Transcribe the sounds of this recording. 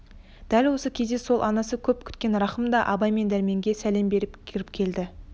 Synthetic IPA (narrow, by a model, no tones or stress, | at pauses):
d̪̥ælwo̞səkʲʰe̞zd̪e̞so̞lˠʔɑnɑsəkʲʰɵp̚kʲʰʏ̥t̪kʲe̞nrɑχəmd̪ɑʔɑbɑjme̞nd̪æɾme̞ŋɡʲesæle̞mbe̞ɾɪpkʲʰɪɾɪp̚kʲʰe̞ld̪ɪ